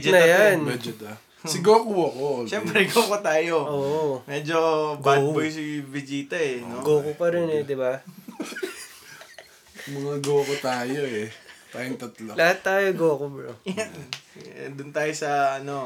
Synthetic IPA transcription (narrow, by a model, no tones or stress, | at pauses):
d͡ʒnɐjanmɛd͡ʒod̪ɐ | sɪɡoːkʊwɐkoʃɛmpɾɛɡoːkot̪aːjoʔoːʔʔomɛd͡ʒoɡbabojs̬ibɪd͡ʒiːt̪ɐɛnoɡoːkopɐɾɪnɛd̪ɪba | mɐŋɐɡokot̪aːjoɛt̪aːjoŋt̪ɐt̪lolɐhat̪ːaːjoɡoːkobɾojaɛd̪ʊnt̪aːjosɐɐno̞